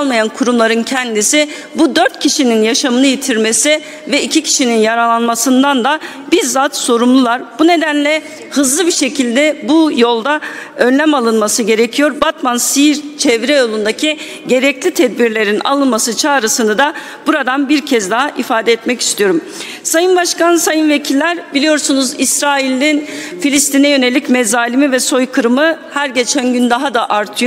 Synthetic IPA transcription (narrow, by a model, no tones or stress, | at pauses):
alˠmajankʰuɾumlˠaɾɯncʰɛnd̪isi | bud̪øɾt̪cʰiʃininjaʃamɯnɯjit̪ʰiɾme̞si | vɛicʰicʰi̥ʃininjaɾalˠanmasɯnd̪and̪a | biɾzat̪so̞ɾumlˠulˠaɾbune̞d̪ænlʲɛ | hɯzlˠɯbiʃe̞cʰilʲd̪ɛbujo̞lˠd̪aønlːʲæmalˠɯnmasɯɟe̞ɾecʰijo̞ɾbat̪mansiɾt͡ʃʰɛvɾɛjo̞lˠund̪acʰi | ɟe̞ɾɛclʲit̪ʰɛd̪̚biɾlʲe̞ɾina̰lˠɯnmasɯt͡ʃʰaːɾɯsɯnɯd̪a | buɾad̪anbiɾcʰɛzd̪aɦaʔifaːd̪ɛɛt̪mɛci̥st̪ʰijo̞ɾum | sajɯnbaʃkansajɯnve̞cʰilʲːæɾbilʲijo̞ɾsunuzisɾaːilʲːinfilʲist̪ʰinɛjø̞ne̞lʲicmɛzaːlʲimivɛso̞jkʰɯɾɯmɯhæɾɟe̞t͡ʃʰænɟynd̪aɦad̪aʔaɾt̪ʰɯjo